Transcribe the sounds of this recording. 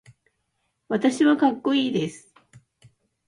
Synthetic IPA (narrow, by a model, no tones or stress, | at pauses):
βat̪aɕiβakakːo̞iːd̪e̞sɨ̥